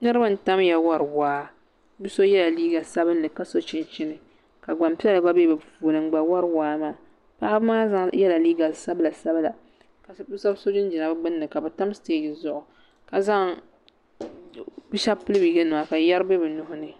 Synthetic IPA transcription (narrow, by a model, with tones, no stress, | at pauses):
nɨ˦ɾɨ˦ba˦n̩˨ta˦mja˨wa˦ɾwaː˦ | bi˦so˦jɛ˦la˨liː˦ɡa˨sa˦bɨ˦nːɨ˨ka˨˦so˦t͡ʃɪ˦nt͡ʃɪ˦nɨ˨ | ka˨ɡ͡ba˨mpi˦a˦lɨ˨ba˦be˦bɨ˨puː˨lɨ˨ŋ͡mɡ͡ba˨wa˦ɾwaː˦maː˦ | pa˦ʔa˦bmaː˦za˦ŋjɛ˦la˨liː˦ɡa˨sa˦bla˨sa˦bla˨ | ka˨˦sa˦bso˦d͡ʒɪ˦n˦d͡ʒɪ˨a˨bɨ˦ɡ͡bɨ˦nːɨ˨ka˨bɛ˨ta˦m˦steː˦˨dɨ˨zʊ˨ʔʊ˨ | ka˨za˦ŋ | bi˦ʃa˦pʊ˦lɨ˦bi˨˦ɡa˦nɨ˨a˨ka˨jɛ˦ɾɨ˦bɨ˦bɛ˨nʊ˦ɦʊ˦nɨ˨